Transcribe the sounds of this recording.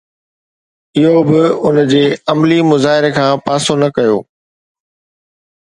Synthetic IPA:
ɪɦobɪʊnd͡ʑeːɐmlimʊzaːɦɪɾekʰãːpaːsonɐkɐjo̰ː

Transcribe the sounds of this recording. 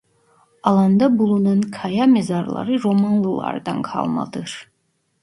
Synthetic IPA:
ɑlˠɑnd̪ɑbulˠununkʰɑjamezɑɾlˠɑ̰ɾɯɾomanlˠɯlˠɑ̰ɾd̪ɑ̰nkʰɑ̰lˠmɑ̰d̪ɯɾ̥

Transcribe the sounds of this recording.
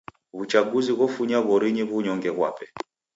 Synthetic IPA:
βut͡ʃaɡuziɣɔfuɲaβɔɾiɲiβuɲɔŋɡɛɣwa̰pɛ

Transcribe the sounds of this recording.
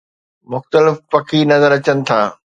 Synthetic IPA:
mʊxt̪əlɪfːɐkʰiːnɐzəɾɐt͡ɕənɪ̆t̪ʰaː

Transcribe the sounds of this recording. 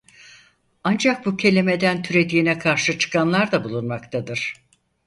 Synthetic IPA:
and͡ʒak̚bucʰe̞lʲime̞d̪ænt̪ʰyɾe̞d̪iːnɛkʰaɾʃɯt͡ʃʰɯ̥kʰanlˠaɾd̪abulˠunmakt̪ʰad̪ɯɾ̥

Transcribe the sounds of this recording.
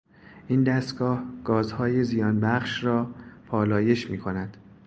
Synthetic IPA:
ʔiːnd̪æst̪ɡɒːhɡ̥ɒːzhɒːjezijɒːnbæχʃɾɒːpʰɒːlɒːje̞ʃmiːkʰo̞næd̪̥

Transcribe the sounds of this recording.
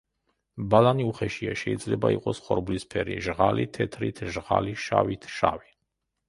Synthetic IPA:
balaniuχɛʃiaʃɛid̪zlɛbaiqʼɔsχɔɾblispʰɛɾiʒʁalit̪ʰɛt̪ʰɾit̪ʰʒʁaliʃawit̪ʰʃavi

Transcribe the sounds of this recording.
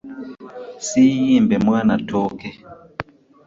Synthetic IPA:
sijimbɛmwanatʰɔkɛ

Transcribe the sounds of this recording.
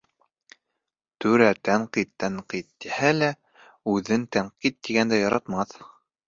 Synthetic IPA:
t̪ɵɾæt̪æɴqit̪ːæɴqit̪̚ːihælæ | ʉðɘnt̪æɴqit̪̚ːiɡænd̪æjɑɾɑt̪mɑθ

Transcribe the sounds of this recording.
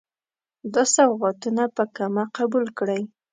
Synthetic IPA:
d̪əsawɣat̪unapəkamaqabulkɽəj

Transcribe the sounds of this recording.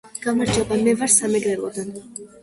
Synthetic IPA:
ɡ̥amaɾd͡ʒabamɛvaɾsamɛɡɾɛɾʼɔd̪an

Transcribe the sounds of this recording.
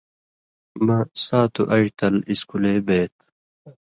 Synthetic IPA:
mɐsaːt̪uʔɐit̪ɐliskuleːbeːt̪

